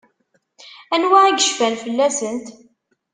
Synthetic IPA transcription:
ænwaʕiɡəʃfænfəlːæsənt̪

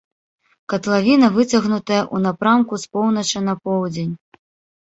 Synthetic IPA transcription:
kɐt̪lˠavʲinɐvɨt͡sʲɐɣnut̪ɐjɐʔunapɾamkuspɔwn̪ɐt͡ʂɨnɐpɔwd͡zʲenʲ

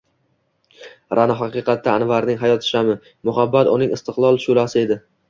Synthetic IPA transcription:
ɾʔanɒɦaqɨqʰɑt̪ʰːaːnvaɾnɪŋɦajɒt̪ʰɪ̥ʃamɪ | mʊɦabːat̪ʊnɪŋɪst̪ʰɨqlˠɒlˠʃʊlasɪe̞d̪ɪ

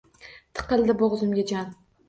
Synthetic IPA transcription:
t̪ʰɨ̥qʰɨlˠd̪ɪbɒʁzʊmɡʲad͡ʒan

